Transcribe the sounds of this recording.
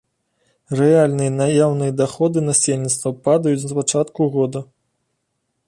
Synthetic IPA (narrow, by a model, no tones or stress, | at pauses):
rɛalʲnɨjɐnajawnɨjɐd̪axɔd̪ɨnasʲelʲnʲit̪st̪vɐpad̪ɐjut͡sʲzpat͡ʂat̪kuɣɔd̪ɐ